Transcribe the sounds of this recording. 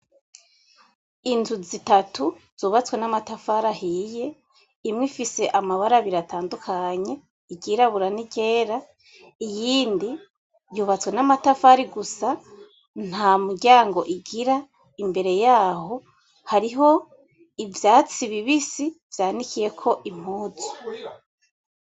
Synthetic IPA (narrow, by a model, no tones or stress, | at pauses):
intʰuzitatʰuz̥uːβat͡swe̞namatafaɾahije̞ | imŋifise̞ʔamaβaɾaβiɾatʰaːndukʰaɲe̞ | iɡiɾaβuɾaniɡe̞ːɾa | ijiːndi | vjuːβat͡swe̞namatafaɾiɡusa | n̥hamuɟaːŋɡo̞ʔiɡiɾa | imbe̞ɾe̞jaːho̞ | haɾiɦo̞ | ivjaːt͡siβiβisivjaːnikije̞kʰo̞ʔim̥huːzu̥